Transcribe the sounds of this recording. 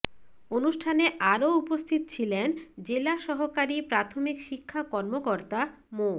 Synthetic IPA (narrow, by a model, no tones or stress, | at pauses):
onuʃʈʰaneʔaɾoupost̪ʰit̪ot͡ɕʰilend͡ʑelaʃɔɦokaɾipɾat̪ʰomikʃikʰːakɔɾmokoɾt̪a | mo